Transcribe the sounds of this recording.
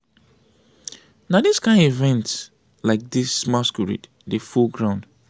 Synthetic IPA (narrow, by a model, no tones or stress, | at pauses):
nadiskãɪ̃ndivɛ̃nt | laɪk̚dismaskuɹḭd | defulɡɹãʊ̃nd̥